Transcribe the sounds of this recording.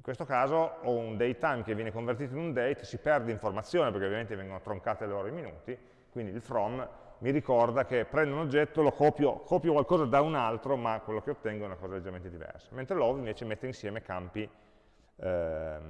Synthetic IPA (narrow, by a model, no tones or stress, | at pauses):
iŋkwest̪okaːzoɔund̪ejt̪ajmkevːjɛːnekoɱvert̪̬iːt̪oinund̪ɛjt̪sipɛrd̪eiɱformat̪sːjoːnep̬erkeovjament̪evɛŋɡonot̪ɾoŋkaːt̪eloːɾoiminuːt̪i | kwind̪ilfɾɔmː | iɾikɔrd̪akepːɾɛnd̪eunod͡ʒːɛt̪ːolokɔːpjokʰɔːpjokwalkɔːzad̪aunalt̪ɾomakwelːok̟eot̪ːɛŋɡoɛunakɔːzaled͡ʒːement̪ed̪ivɛ̰rsḁment̪ɾelɔːvĩɱveːt͡ʃemet̪ːeinsjɛːmekampi